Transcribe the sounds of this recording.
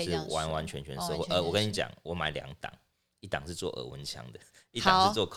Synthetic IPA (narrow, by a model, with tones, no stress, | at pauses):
ɻ̩˥˩wa˧˦nwa˧˦˥nt͡ʃʰɥɛ˧˦nt͡ɕʰɥɛ˧˦n˦ɤ˥˧xwe˥˧ʔə˧˦wɔ˨˩kə˦ni˨˩t͡ɕja̰˨˩˦ŋwɔ˧˥ma˨˩˦ɪlja̰˨˦ŋt̪ɑ̰˨˩˦ŋ | i˥˩t̪ɑ˨˩ŋʂ̩˥˧t͡swɔ̰˥˩ʔə̰˨˩wə̰˦nt͡ɕʰja̰˧˦ŋd̪ə˨ | i˥ta̰˨˦ʂɻ̩˧t͡swɔ˥˧kʰ